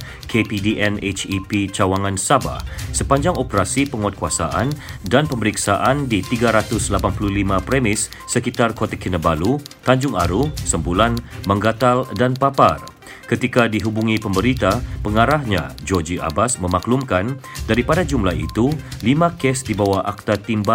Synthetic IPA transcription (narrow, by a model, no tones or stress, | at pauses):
kepidiʔɛnet͡ʃipit͡ʃawaŋansaba̰hsəpaɲd͡ʒaŋopəɾasipəŋɔwat̪̚kuasa̰ʔandanpəməɾiksaʔandit̪iɡaɾat̪ʊslapanpululimãpɾemɪsː | əkit̪arkot̪akinəbalut̪aɲd͡ʒʊŋaɾusəmbulanmə̃ŋɡat̪aldanpapar | kət̪ikadiɦubuŋĩpəmbəɾit̪apəŋaɾahɲã̰d͡ʒɔd͡ʒiʔa̰basmə̃maklumkandaɾipadad͡ʒumlahḭt̪ulimãkɛsdibawaʔak̚t̪at̪imba